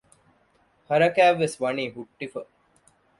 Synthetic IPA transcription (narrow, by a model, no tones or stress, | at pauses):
hɐɾɐkæːʋːesʋɐniːɦuʈːifə